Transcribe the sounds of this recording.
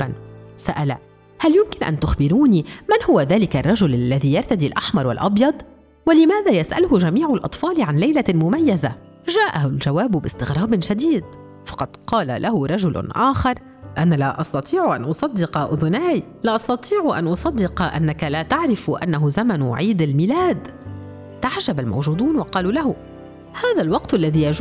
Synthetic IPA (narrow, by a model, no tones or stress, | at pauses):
nsaʔala | haljʊmkɪnʔa̰nt̪ʊxbɪɾuːnimanhʊwaðaːlɪkarˤːɑʒʊlʔalːaðiːjɑɾˤt̪ad̪iːlʔaħmɑɾˤwa̰lʔɑbjɑd̪ˤ | walɪmaːðaːjasʔa̰lʊhʊʒamiːʕalʔɑ̰t̪ˤfɑːlɪʕanlajlamʊmajːaza | ʒaːʔaɦʊlʒawaːbʊbɪst̪ɪɣɾˤɑːbʃad̪iːd̪ | fɑ̥qɑd̪qɑːla̰lʔaɦʊɾˤɑʒʊlʊ̰nʔaːxɑɾˤ | ʔanalaʔɑst̪ɑt̪ˤiːʕʊʔa̰nʔʊsˤɑd̪ːɪqɑʔʊðʊnaːj | laʔɑsˤt̪ɑt̪ˤiːʕʊʔa̰nʔʊsˤɑd̪ːɪqɑʔanːakalaːt̪aʕɾɪfʔa̰nːaɦʊzamanʊʕiːd̪almiːlaːd̪ | t̪aʕʒabalma̰wʒuːd̪uːnwɑqɑːluːlaɦʊ | haːðalwɑqt̪ʔalːaðiːjaʒ